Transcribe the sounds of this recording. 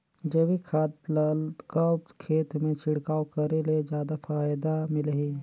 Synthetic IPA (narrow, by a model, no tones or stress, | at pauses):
d͡ʒeʋikʰaːt̪lkəbkʰeːt̪mẽt͡ʃʰɪɽkaːokɐɾeled͡ʒjaːd̪afaːjd̪amɪleɦi